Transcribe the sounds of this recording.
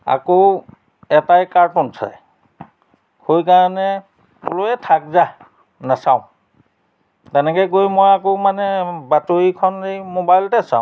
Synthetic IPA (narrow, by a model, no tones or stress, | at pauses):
a̰ko | ɛtajkaɹtɔnsʰa̰j | hojkaɹanɛ | uloɛtʰak̚za | nasawʊ̃ | tɛnɛkɛjkojmojakomanɛbatoɹikʰɔnejmobajltɛsa̰ʊ̃